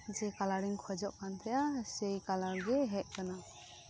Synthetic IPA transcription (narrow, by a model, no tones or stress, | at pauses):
d͡ʒɛkalaɾiŋkʰɔd͡ʒɔʔkant̪ʰɛjasɛjkalaɡɛɦɛʔ̚ˀkana